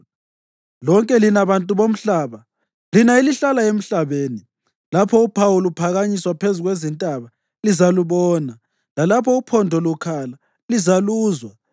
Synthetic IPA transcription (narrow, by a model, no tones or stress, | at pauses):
lɔŋkʼɛlinaβantʼuβom̩ɬaːβa | linailiɬalaem̩ɬaβeːni | lapʰɔupʰawulupʰaɣaɲiswapʰezuɣwezintʼaβa | lizaluβɔːna | lalapʰɔupʰɔndʱɔlukʰala | lizaluːzwa